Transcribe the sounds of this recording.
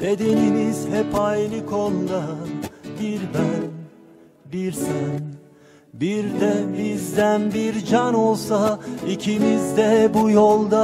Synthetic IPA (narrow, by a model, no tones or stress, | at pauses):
d̪ed̪enimiz̥hɛpʰajnɯkʰolˠd̪a | biɾbæn | biɾsæn | biɾd̪ɛbizd̪ænbiɾd͡ʒano̞lˠsaicʰimizd̪ɛbujolˠd̪a